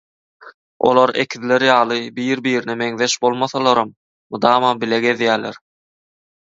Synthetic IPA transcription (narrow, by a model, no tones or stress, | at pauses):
ʔo̞̰lˠɑɾḛkʰiðleɾjɑːlˠɯbiːɾbiːɾineme̞ŋðe̞ʃbo̞lˠmɑθɑlˠɑɾɑm | mɯd̪ɑːmɑbileɡe̞ðjæːlḛɾ